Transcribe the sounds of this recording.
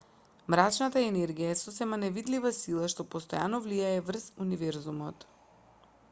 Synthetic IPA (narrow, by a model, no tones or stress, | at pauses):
mɾat͡ʃnat̪aɛnɛɾɡijaɛsosɛmanɛvid̪livasilˠaʃt̪ɔpɔst̪ɔjanɔvliaɛvr̩zunivɛɾzumɔt̪